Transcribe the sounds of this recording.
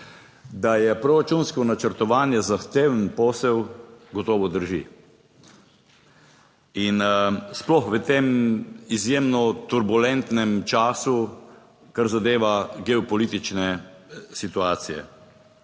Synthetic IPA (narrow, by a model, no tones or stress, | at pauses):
d̪ajɛpɾɔɾat͡ʃunskɔnat͡ʃəɾt̪ɔʋaːnjɛzaxt̪eːwənpɔːsɛwɡɔt̪ɔːʋɔd̪əɾʒḭ | insplɔxʋət̪eːmizjeːmnɔt̪uɾbulɛnt̪nɛmt͡ʃaːsu | kaɾzad̪eːʋaɡɛɔpɔliːt̪it͡ʃnɛsit̪uaːt̪sijɛ̰